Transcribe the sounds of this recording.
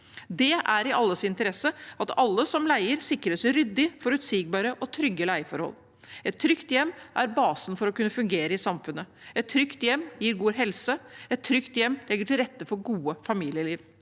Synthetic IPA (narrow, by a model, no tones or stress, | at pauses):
d̪ɛʔæɾɪʔɑlːəsɪnt̪əɾɛsəɑt̪ɑlːəsɔmlæɪəɾsɪkɾəsɾʏd̪ːɪfɔɾʉt̪siɡ̚bɑːɾəʔɔt̪ʰɾʏɡːəlæɪfɔɾhɔ̰lː | ɛt̪ʰːɾʏkt̪jɛmːʔæɾbɑːsnfɔɾɔkʉnːəfʉŋɡeːɾəɪsɑmfʉnːəɛt̪ʰːɾʏkt̪jɛmːjiːɾɡuːɦɛlsəɛt̪ʰːɾʏkt̪jɛmːlɛɡəʈʰɪlɾɛt̪ːəfɔɾɡuːəfɑmiːlɪəliːʋ